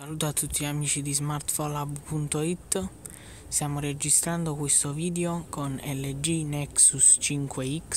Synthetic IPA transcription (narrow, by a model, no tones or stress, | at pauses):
saluːt̪oat̪ʰːut̪ʰːiamiːt͡ʃid̪izmart̪fɔlabpunt̪oit̪ː | st̪jaːmoɾed͡ʒist̪ɾand̪okwest̪oviːd̪eokʰonɛlːed͡ʒinɛksust͡ʃiŋkweik